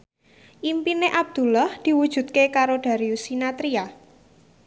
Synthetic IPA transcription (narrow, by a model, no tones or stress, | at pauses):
ʔimpineʔab̥̚d̪̥ṳlahd̪̥i̤wud̥ʒ̥ṳt̪̚kekaɾoɖ̥a̤ɾiusinat̪ɾia